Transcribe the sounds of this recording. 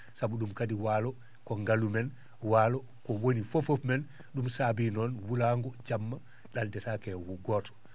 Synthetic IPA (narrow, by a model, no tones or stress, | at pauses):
sabuɗumkadiwaːlɔ | kɔŋɡalumɛn | waːlɔ | kɔwonifofopmɛn | ɗumsabinɔnwulaŋɡɔd͡ʒamːa | ɗaldɛtakɛwɡɔːtɔ̥